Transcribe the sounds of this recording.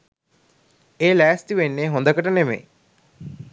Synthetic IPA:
eːlæːst̪iʋenːeːɦond̪əkəʈənemḛ

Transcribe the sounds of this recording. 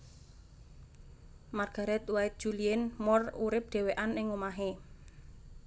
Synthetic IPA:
marɡ̥a̤ɾɛt̪waɪt̪̚d̥ʒ̥uliɛnmɔruɾɪp̚d̪̥ɛ̤weʔanɪŋomaɦe

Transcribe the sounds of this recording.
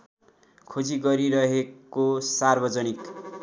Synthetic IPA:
kʰod͡ziɡʌɾiɾʌɦekosarbʌd͡zʌnik

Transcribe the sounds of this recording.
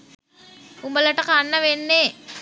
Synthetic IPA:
umbələʈəkanːəʋenːe

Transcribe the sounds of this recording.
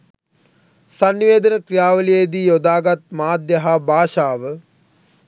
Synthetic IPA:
sanːiʋeːd̪ənəkrijaːʋəlijed̪ijod̪aːɡat̪̚maːd̪jəɦabʱaːʃaːʋə

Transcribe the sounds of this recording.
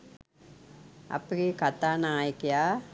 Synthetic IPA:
ɐ̰pːɐɾikɐt̪ːaːnaːjkːɐjaː

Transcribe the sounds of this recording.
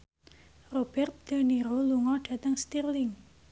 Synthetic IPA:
rob̥ɛrt̪̚d̪̥a̤niɾoluŋɔɖ̥a̤t̪əŋst̪irlɪŋ

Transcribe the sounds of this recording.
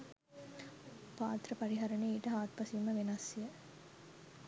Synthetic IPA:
paːt̪ɾəpɐɾiɦɐɾɐneːʈəɦaːt̪̚pɐsiumːəʋenɐsijə

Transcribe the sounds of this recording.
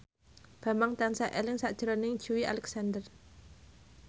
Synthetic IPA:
b̥a̤maŋt̪ansaʔɛlɪŋsaʔd̥d͡ʒ̥ɾɔnɪŋd͡ʒuia̰lɛksandər

